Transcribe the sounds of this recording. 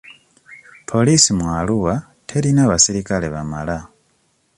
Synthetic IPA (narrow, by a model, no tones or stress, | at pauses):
pʰo̞lisimwaluwa | tʰe̞ɾinaβasiɾikale̞βamala